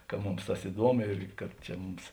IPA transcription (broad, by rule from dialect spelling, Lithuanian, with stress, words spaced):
kɐ ˈmʊms ˈtɐs ɪˈduɔmʊ ɪr kɐt ˈt͡ʃʲɛ ˈmʊms